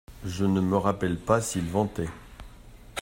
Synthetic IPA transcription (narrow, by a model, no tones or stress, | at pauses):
ʒənəməʁapɛlpasilvɑ̃t̪ɛ